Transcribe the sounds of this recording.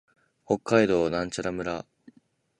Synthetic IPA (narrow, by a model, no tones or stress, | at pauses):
ho̞kːaid̪o̞ːnãɲ̟t͡ɕaɾamɯ̟ɾa